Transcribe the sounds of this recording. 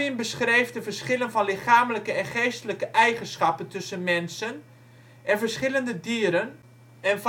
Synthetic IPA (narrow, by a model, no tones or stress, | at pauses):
ɪnbəsχrejfdəvərsχɪlənfɔnlɪχaːmələkəɛnχeːstələkəʔɛjχənsχɑpəntɵsənmɛnsən | ʔɛnvərsχɪləndədiəɾən | ɛnf